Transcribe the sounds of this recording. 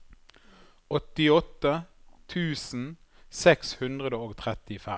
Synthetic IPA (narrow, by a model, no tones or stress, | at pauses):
ɔt̪ɪɔt̪ːət̪ʰʉːsn̩ | sɛkshʉnd̪ʁəd̪əoːɡt̪ʰʁɛt̪ɪfɛ